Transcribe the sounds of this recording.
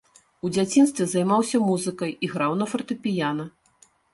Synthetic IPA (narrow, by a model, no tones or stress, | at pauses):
ud͡zʲat͡sʲin̪st̪vʲɛzɐjmawsʲɐmuzɨkɐjiɣɾawnɐfɐrt̪ɨpʲijanɐ